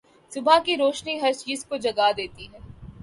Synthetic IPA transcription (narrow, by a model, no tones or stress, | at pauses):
sʊbʱakiɾoːʃniɦɐɾsjɪskod͡ʒɐɡad̪eːt̪iɦɛː